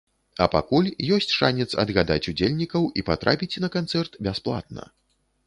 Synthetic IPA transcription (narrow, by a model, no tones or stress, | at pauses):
ɐpakulʲjɔsʲt͡sʲʂanʲɛt̪sɐ̰d̪ɣad̪a̰t͡sʲud͡zʲelʲnʲikɐwipat̪ɾʔapʲit͡sʲnɐkant̪sɛrt̪bʲɛsplˠa̰t̪̚nɐ̰